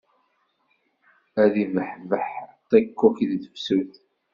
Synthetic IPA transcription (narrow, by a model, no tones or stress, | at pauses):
æðivəħvəħt̪ˤːækːukiððəfsuθ